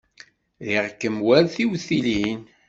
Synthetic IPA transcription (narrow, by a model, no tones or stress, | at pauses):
ðiʁkːəmwælθiwθilin